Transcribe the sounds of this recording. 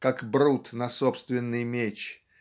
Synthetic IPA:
kakbɾut̪nɐso̞pst̪vʲɪnːɨjmʲet͡ɕ

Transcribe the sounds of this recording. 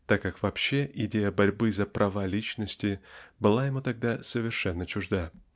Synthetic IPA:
t̪akːakvɐpɕːeʔɪdʲejəbɐɾʲbɨzəpɾʔɐvalʲit͡ɕnəsʲtʲɪbɨlˠajɪmut̪ɐɡ̚d̪asəvʲɪrʂɛnːət͡ɕʊʐd̪a

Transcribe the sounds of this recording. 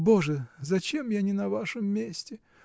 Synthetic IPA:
boʐəzɐt͡ɕemjanʲɪnɐvaʂəmːʲesʲtʲɪ

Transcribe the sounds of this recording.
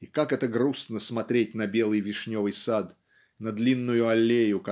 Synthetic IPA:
ikakɛt̪əɡɾusnəsmɐt̪ɾʲet̚ʲnɐbʲe̞lˠɨjvʲɪʂnʲovɨjsad̪ | nɐd̪lʲinːʊjʊɐlʲːejʊk

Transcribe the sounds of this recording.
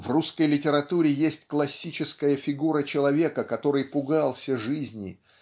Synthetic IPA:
vruskəjlʲɪtʲɪɾɐt̪uɾʲɪjesʲtʲklˠɐsʲːit͡ɕɪskəjəfʲɪɡuɾət͡ɕɪlˠɐvʲe̞kəkɐt̪o̞ɾɨjpʊɡalˠsʲəʐɨzʲnʲɪ̰

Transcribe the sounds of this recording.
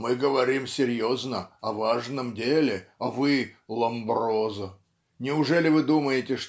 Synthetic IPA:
mɨɡəvɐɾʲimsʲɪɾʲjoznəɐvaʐnəmdʲelʲɪɐvɨlˠɐmbrozə | nʲɪʊʐɛlʲɪvɨd̪uməjɪtʲɪʂ

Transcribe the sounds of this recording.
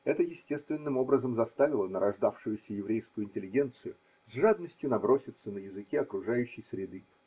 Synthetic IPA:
ɛt̪əjɪsʲtʲe̞st̪vʲɪnːɨmo̞bɾəzəmzɐst̪avʲɪlˠənəɾʔɐʐd̪afʂʊjʊsʲəjɪvɾʲejskʊjʊɪnʲtʲɪlʲːɪɡʲe̞nt̪sɨjʊ | zʲʐad̪nəsʲtʲjʊnɐbɾo̞sʲɪt̪sənəjɪzɨkʲeɐkɾʊʐajʉɕːɪjsʲɾʲɪd̪ɨ

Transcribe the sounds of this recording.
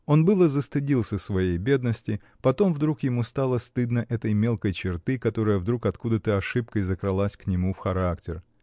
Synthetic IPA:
o̞nbɨlˠəzəst̪ɨɪdʲilˠsʲəsvɐjejbʲe̞d̪nəsʲtʲɪ | pɐt̪o̞mvd̪ɾukjɪmust̪alˠəst̪ɨd̪nəʔɛt̪əjmʲe̞lˠkəjt͡ɕɪrt̪ɨkɐt̪o̞ɾəjəvd̪ɾukɐt̪kud̪ət̪əɐʂɨp̚kəjzəkɾɨlˠasʲknʲɪmufxɐɾaktʲɪr

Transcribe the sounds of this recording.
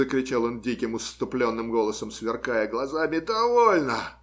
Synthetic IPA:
əkɾʲɪt͡ɕalˠondʲikʲɪmʊst̪ʊplʲonːɨmɡo̞lˠəsəmsvʲɪrkajəɡlˠɐzamʲɪd̪ɐvolʲnə

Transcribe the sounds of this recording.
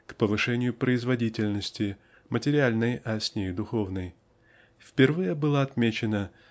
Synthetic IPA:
kpəvɨʂɛnʲɪjʊpɾəɪzvɐdʲitʲɪlʲnəsʲtʲɪ | mətʲɪɾʲɪalʲnəjɐsʲnʲejd̪ʊxo̞vnəj | fpʲɪrvɨjəbɨlˠəɐt̪mʲet͡ɕɪnə

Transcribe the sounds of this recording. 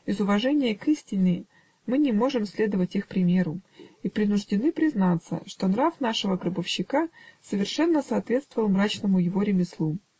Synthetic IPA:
ɪzʊvɐʐɛnʲɪjəkɨsʲtʲɪnʲɪ | mɨnʲɪmo̞ʐɨmsʲlʲe̞d̪əvətʲixpɾʲɪmʲe̞ɾʊipɾʲɪnʊʐdʲɪnɨpɾʲɪznat̪sə̰ʂt̪o̞nɾafnaʂəvəɡɾəbəfɕːɪkasəvʲɪrʂɛnːəsɐːt̪vʲe̞t̪st̪vəvəlˠmɾat͡ɕnəmʊjɪvo̞ɾʲɪmʲɪslˠu

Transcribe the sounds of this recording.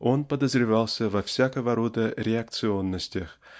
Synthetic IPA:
o̞npəd̪əzɾʲɪvɑlˠsʲəvɐfsʲakəvəɾod̪əɾʲɪɐk̚t̪sɨo̞nːəsʲtʲɪx

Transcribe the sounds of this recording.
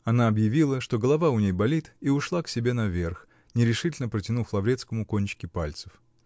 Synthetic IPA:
ɐnaɐbjɪvʲilˠəʂt̪o̞ɡəlˠɐvaʊnʲejbɐlʲit̪iʊʂlˠaksʲɪbʲe̞nɐvʲe̞rx | nʲɪɾʲɪʂɨtʲlʲnəpɾətʲɪnuflˠɐvɾʲe̞t̪skəmʊkonʲt͡ɕɪ̥kʲɪpalʲt̪sə̥f

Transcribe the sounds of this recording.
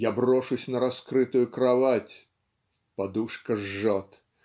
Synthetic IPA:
jabroʂʊsʲnəɾɐskɾɨt̪ʊjʊkɾavatʲ | pad̪uʂkəʐːat̪

